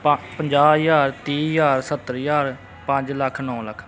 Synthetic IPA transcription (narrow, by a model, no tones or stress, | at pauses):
ppəɲd͡ʒaːjaːɾt̪iːjaːɾsət̪ːəɾjaːɾ | pãɲd͡ʒləkʰːnɔ̃ːləkʰ